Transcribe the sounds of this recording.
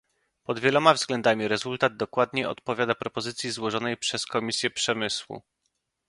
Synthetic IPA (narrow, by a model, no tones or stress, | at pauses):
pɔd̪vʲjɛlɔmavzɡlɛnd̪amʲiɾɛzult̪ad̪̚d̪ɔkwad̪ɲɛɔ̰t̪pɔvʲjad̪apɾɔpɔzɘt̪sʲjizwɔʐɔnɛjpʂɛskɔmʲisʲjɛpʂɛmɘswṵ